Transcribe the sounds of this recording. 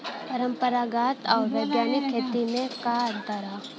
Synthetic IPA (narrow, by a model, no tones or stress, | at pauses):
pɐɾə̃mpəɾaɡaːt̪ɔːɾʋeːɡjaːnikʰːeːt̪inẽkaːɾd̪aɾa